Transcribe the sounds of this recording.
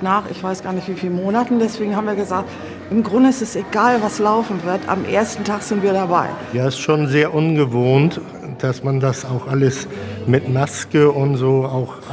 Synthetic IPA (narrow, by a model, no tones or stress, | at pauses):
naːχɪ̰çv̥aɪsɡ̥aːɐnɪçtv̥iːfiːləmoːnatn̩dɛsv̥eːɡŋ̩habm̩viːɐɡəzaːk̚t | ʔɪmɡʁʊndəɪstɛseɡaːlvaslaʊfn̩vɪɐta̰mʔḛːɐstn̩tʰaːxz̥ɪntv̥iːɐɾabaɪjaːɪstʃoːnzeːɐʔʊnɡəvoːnt | d̥asmandasaʊxʔaləsmɪtmaskəʊntz̥oːaʊx